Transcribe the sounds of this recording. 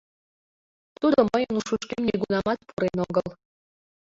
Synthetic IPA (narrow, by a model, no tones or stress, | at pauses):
t̪ud̪oməjənuʃuʃkemnʲeɡunɑmɑt̪̚pʰuɾenoɡəlˠ